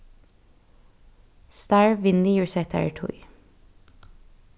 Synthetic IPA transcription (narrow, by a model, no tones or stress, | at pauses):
st̪ɑɹʋɪnd̪ɪjʉːɹsɛt̪ʰæ̰ə̰ʈʰṵɪ